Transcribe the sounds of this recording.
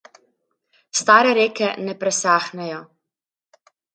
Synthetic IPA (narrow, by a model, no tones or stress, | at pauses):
st̪aːɾɛɾeːkɛnɛpɾɛsaːxnɛjɔ